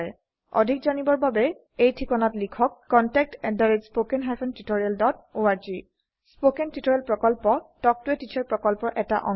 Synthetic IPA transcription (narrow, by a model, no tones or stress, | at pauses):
ɛ | ɔ̰dʱikzanibɔɹbabɛ | ejtʰikɔnatlikʰɔkːɔntɛk̚tɛdaɹitspokɛnɦapʰɛntitoɹialdɔt̚oaɹzi | spokɛntitoɹialpɹɔkɔlpɔtɔk̚tʊɛtit͡ʃʰaɹpɹɔkɔlpɔɹʔɛta̰ʔɔ̰